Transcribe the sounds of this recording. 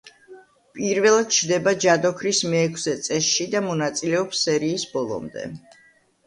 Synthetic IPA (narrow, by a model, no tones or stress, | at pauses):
pʼiɾvɛlˠat̪̚t͡ʃʰd̪ɛbad͡ʒad̪ɔkʰɾismɛːkʰsɛt̪sʼɛsʃid̪amɔnat̪sʼilɛɔpsɛɾiːsb̥ɔlˠɔ̰md̪ɛ̰